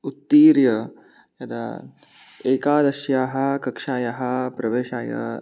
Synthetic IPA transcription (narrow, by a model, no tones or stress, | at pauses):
ut̪ːiːɾjɐ | jɐd̪ɐ̰ | eːkaːd̪ɐʃjaːɦɐ̆kɐkʂaːjɐɦɐpɾɐʋeːʃaːjɐ̰